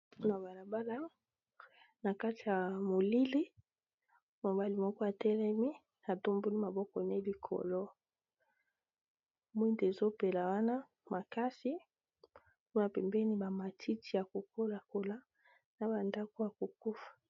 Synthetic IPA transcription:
na˨ba˨la˨ba˦la˦ | na˨ka˦ti˨ja˨mo˨li˦li˦ | mo˨ba˦li˨mɔ˦kɔ˦a˨tɛ˦lɛ˦mi˦ | a˨to˦mbo˦ni˦ma˨bɔ˦kɔ˨ne˦li˨kʰɔ̰˨lɔ˦ | mwi˦nde˨zo˦pe˨la˨wa˦na˦ | mʔa˨ka˦si˦ | ku˦na˨pɛ˨mbe˦ni˦ba˨ma˨tʰi˦tʰi˨ja˨ko˨ko˦la˨ko˨la˦ | na˨ba˨nda˦ko˦ja˨ko˨ku˦fḁ˨

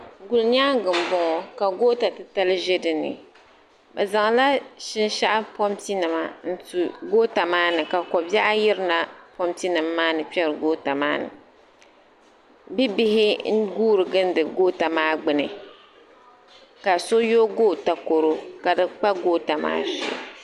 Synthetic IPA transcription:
ɡu˨lɲa˦ɡɨ˨m˦bɔ˨ŋɔ˨ka˨ɡoː˦ta˨tɨ˦ta˦lɨ˦ʒe˦dɨ˨nɨ̰˨ | ba˨za˨ŋ˨la˦ʃɪ˦n˦ʃa˦ʔa˦pɔ˦mti˦nɨ˨ma˨n̩˦tu˨ɡoː˦ta˨maː˦nɨ˨ka˨kɔ˨bjɛ˦ʔa˦jɪ˦ɾɨ˦na˨pɔ˦mti˦nɨ˨mːaː˦nɨ˨pɛ˦ɾɨ˨ɡoː˦ta˨maː˦nɨ̰˨ | bi˦bi˦hɪ˦n̩˦ɡuː˦ɾɨ˨ɡɨ˦n˦dɨ˨ɡoː˦ta˨maː˦ɡ͡bɨ˨nɨ˨ | ka˨so˦jo˦ɡoː˦˨ta˨ko˨ɾo˦ka˨dɨ˨k͡pa˦ɡoː˦ta˨ma̰ː˦ʃḭ˦˨

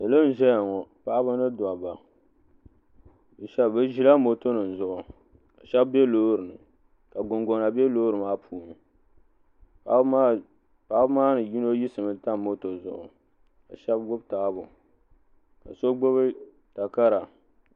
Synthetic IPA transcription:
ɨ˨lɨ˦n̩˦ʒɛ˦ja˨ŋɔ˨pa˦ʔa˦bɨ˦nɨ˦dwa˨ba˨ | ʃɛ˦bbɨ˦ʒi˦la˦mo˦to˦nɨ˨n̩˨zʊ˨ʔʊ˨ | ka˨ʃɛ˦bbe˦loː˦ɾɨ˨nɨ˨ | ka˨ɡʊ˨ŋɡo˨na˨be˦loː˦ɾɨ˨maː˦pʰuː˨nɨ˨˦ | pa˦ʔbmaː˦nɨ˨ji˦no˦ji˦sɨ˨mɨ˦ta˦mo˦to˨zʊ̰˨ʔʊ̰˨ | ka̰˨ʃɛ˦b̚ɡʊ˦bta˨˦bʊ˨ | ka̰˨so˦ɡ͡bo˦βɨ˦ | ta˨ka˦ɾa˨

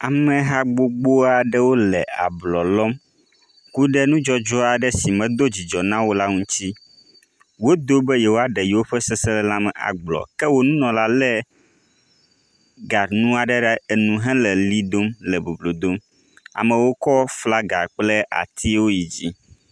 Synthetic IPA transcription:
a˨mɛ̃˨ɦa˦ɡ͡bo˦ɡ͡bo˦a˨ɖɛ˦wo˦lɛ˨a̰˨blɔ˨lɔ˦m | ku˦ɖɛ˦nũ˦d͡ʒɔ˦d͡ʒɔ˦a˨ɖɛ˦si˨mɛ̃˨d̪o˦d͡ʑi˨d͡ʒɔ˨nã˦wo˦la˦ŋũ˦t͡ɕi˦ | wo˦d̪o˦bɛ˦jɛ˨wo˦a˨ɖɛ˨ji˨wo˦ɸɛ˦sɛ˦sɛ˦lɛ˦la˦mɛ˨ʔa̰˨ɡ͡blɔ̰˨kɛ˦wo˦nũ˦nɔ̃˨la˦lɛ˦ | ɡa˨nũ˦a˨ɖɛ˦ɖɛ˦e˨nũ˨ɦɛ̃˦lɛ˨li˦d̪o˦mlɛ˨bo˨blo˨d̪o˦m | a̰˨mɛ̃˨wo˦kɔ˦fla˦ɡa̰˨k͡plɛ˦ʔa̰˨t̪ʰi˦wo˦ji˨d͡ʑi˦

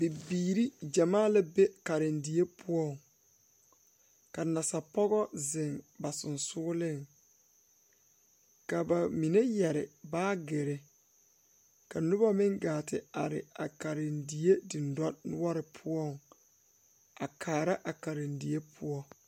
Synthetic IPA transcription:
bi˨biː˨ɾi˦d͡ʒa˨maː˦la˦be˦ka˨ɾɪ˨ndi˨e˦pʰu˦ɔ˦˨ŋ | ka˨na˨sa˨pɔ˦ɣɔ˦zɪ˨ŋba˨sʊ˨nsʊː˦lɪ˦˨ŋ | ka˨ba˨mi˨ne˦jɛ˨ɾɪ˨baː˦ɡe˨ɾɪ˨ | ka˨nʊ˦ba˦mɪ˦ŋɡaː˨tɪ˨a˨ɾɪ̰˨a˨ka˨ɾɪ˨ndi˨e˦di˨ndɔ˦nʊ˦ɔ˦ɾɪ˨pʰʊ˦ɔ˦˨ŋ | a˨kʰaː˨ɾa˦ʔa˨ka˨ɾɪ˨ndi˨e˦pʰu˦ɔ˦

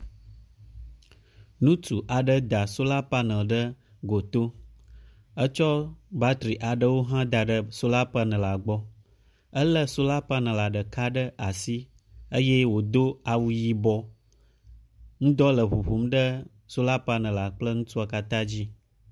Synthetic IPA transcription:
nũ˦tu˨ʔa˨ɖə˦d̪a˨so˦la˦pa˦nə̃˨ɖə˦ | ɡo˨t̪o˦ | ə˦t͡ʃɔ˦ba˦t̪ɾi˨ʔa˨ɖə˦wo˦ɦã˦d̪a˨ɖə˦so˦la˦pa˦nə̃˨la˨ɡ͡bɔ˦ | ə˦lə˦so˦la˦pa˦nə̃˨la˨ɖə˨ka˦ɖə˦ʔa˨si˦ | ə˦je˦wo˨d̪o˦a˨wu˦ji˦bɔ˦ | ŋũ˦d̪ɔ˦lə˨βu˨ɸu˨˦mɖə˦ | so˦la˦pa˦nə̃˨la˨k͡plə˦ŋũ˦t̪u˦a˨ka˦t̪ã˦d͡ʑi˦

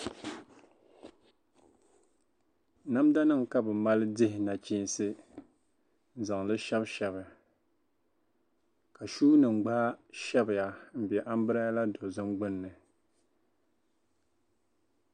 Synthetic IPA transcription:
na˦mda˦nɨ˦ŋka˦bɨ˨ma˦lɨ˦dɪ˦hɪ˨na˨t͡ʃi˦n˦sɨ˦ | n̩˦za˨ŋlɨ˦ʃɛ˦bʃɛ˦βɨ˨ | ka˨ʃuː˦nɨ˨ŋ͡mɡ͡ba˦ʃɛ˦bɪ˨ja˨m̩˦bɛ˨ʔa˦m˦bɨ˦ɾa˦ja˦la˦do˨zɨ˦mɡ͡bɨ˦nːɨ˨

